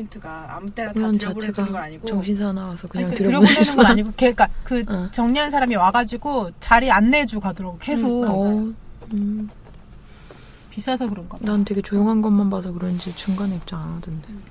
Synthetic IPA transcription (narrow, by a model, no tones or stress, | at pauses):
intʰɯɡa̰ːmut͈eɾaʌt͡ɕaboɾʰeɡaɡʌaɲiɡot͡ɕʌŋɕʰinsʰanawasʰʌkɯɲaŋtɯɾjɯɾʌbodenɯnɡʌnaɲiɡokeik͈akɯt͡ɕʌŋɲians̬ʰaɾamiwaɡad͡ʑiɡot͡ɕaɾianːe̞d͡ʑukadoɾʌɡokʰe̞sʰo | pis͈asʰʌkɯɾʌnɡananɯnte̞ɡe̞t͡ɕojoŋɦanɡʌnmanbasʰʌkɯɾʌnd͡ʑit͡ɕʰuŋɡaneip̚t͡ɕ͈aanadɯnde